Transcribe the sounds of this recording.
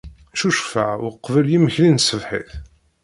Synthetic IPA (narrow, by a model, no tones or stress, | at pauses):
ʃuʃfəʕwqːvəljiməçlinsəvħḭθ